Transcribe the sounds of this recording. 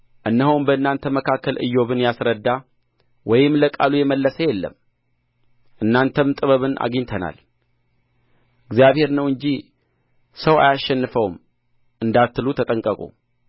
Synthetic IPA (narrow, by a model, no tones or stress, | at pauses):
ʔɨnːəɦəwmbəɨnːant̪ʰəməkʰakːəlʔɨ̰jːo̞βɨnjasɾəd̪ːa | wɔjɪmləkʼalujɛməlːəsəjɛlːə̰m | ʔɨnːant̪ʰəmt̪ʼɨβəβɨnʔa̰ɡiɲt̪ʰəna̰l | ɨɡzijaβhe̞ɾnəwɨɲd͡ʒi | səwa̰jaʃːɛnːɨfəwm | ʔɨnd̪at̪ːɨlut̪ʰət̪ʼəŋkʼəkʼṵ